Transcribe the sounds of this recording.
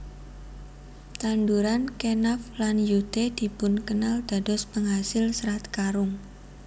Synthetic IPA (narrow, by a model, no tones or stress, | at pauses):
t̪and̪uɾankenaflanjut̪ed̪̥i̤pʊnkənald̪̥a̤d̪̥ɔspəŋɦasɪlsəɾat̪̚kaɾʊŋ